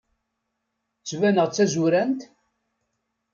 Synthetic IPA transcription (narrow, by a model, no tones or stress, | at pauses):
t͡sːvænəʁt͡sːæzʊɾænt̪